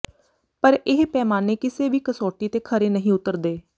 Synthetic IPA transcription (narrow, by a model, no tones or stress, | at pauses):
pəɾɪɦpɛːmaːneːkɪseːʋiːkəsoːʈiːt̪eːkʰəɾeːnəɦĩːʊt̪ːəɾd̪eː